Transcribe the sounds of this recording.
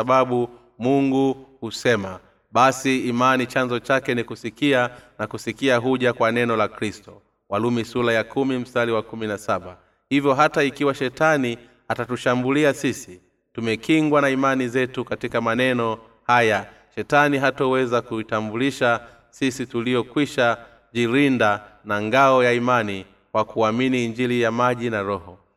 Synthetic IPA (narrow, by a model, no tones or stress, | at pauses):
aɓaɓu | muŋɡuhusɛma | ɓasiːmanit͡ʃanzɔt͡ʃakɛnikusikianakusikiaɦuʄakwanɛnɔlakɾistɔ | walumisulajakʰumim̩saliwakuminasaɓa | hivjɔɦataikiwaʃɛtani | atatuʃambuliasisi | tumɛkiŋɡwanaimanizɛtukatikamanɛnɔ | haja | ʃɛtaniɦatɔwɛzakuitambuliʃa | sisitulijɔkwiʃa | ʄiɾindanaŋɡaɔjaimani | kwakuaminiːɲd͡ʒilijamaʄinaɾɔhɔ